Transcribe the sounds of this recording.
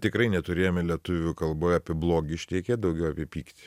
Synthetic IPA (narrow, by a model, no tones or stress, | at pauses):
t̪ʲɪkɾɐɪnʲɛt̪ʊɾʲeːjoːmʲɪlʲiɛt̪ʊʋʲukɐlˠboːjɐpʲɪɛblˠoːɡʲɪʃʲt̪ʲːɾɛɪkʲeːd̪ɐʊɡʲɛʊɐpʲɛpʲiːkt̪ʲɪ